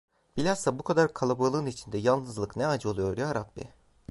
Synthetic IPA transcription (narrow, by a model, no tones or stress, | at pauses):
b̥ilʲaɾsabukʰad̪aɾkʰalˠabɯlˠɯːnit͡ʃʰind̪ɛjalˠnɯzlˠɯknɛad͡ʒɯo̞lˠujo̞ɾjaɾat̪̚bḭ